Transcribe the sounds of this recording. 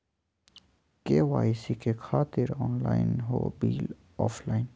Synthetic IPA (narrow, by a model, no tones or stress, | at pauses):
keːwaːisikexʰaːt̪ɪɾɔːnla̰ːɪ̰nɦo̰ːbiːl | ɔːflaːɪn